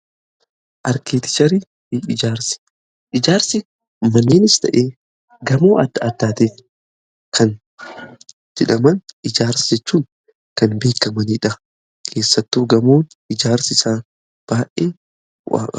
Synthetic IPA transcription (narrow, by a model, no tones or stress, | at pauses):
ʔɐɾkeːt̪ɪ̥t͡ʃɐɾi | ɪd͡ʒaːɾsɪ̥ | ʔɪd͡ʒaːɾsɪ | mɐnːeːnɪst̪ɐ̰ʔeː | ɡɐmoːɐd̪ːɐɐd̪ːaːt̪et | kʰɐn | d͡ʒɛᶑɐmɐnɪd͡ʒaːɾsɪd͡ʒɛt͡ʃːuːŋ | kɐnbe̞ːkːɐmɐniːᶑɐ | kʰe̞ːsːɐt̪ːuːɡɐmoːn | ɪd͡ʒaːɾsɪsaː | b̥aːʔeː | wa̰ːkʼɐ̥̰